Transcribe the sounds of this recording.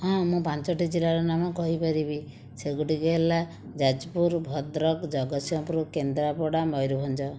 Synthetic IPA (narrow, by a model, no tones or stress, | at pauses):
ɦɔ̃mũpant͡ʃɔʈid͡ʒilaɾɔnamɔkɔɦipɔɾibi | seɡuʈiɡeɦela | d͡ʒad͡ʒpuɾbʱɔd̪ɾɔkd͡ʒɔɡɔsjɔpɾukend̪ɾapɔɽamɔjɾubʱɔnd͡ʒɔ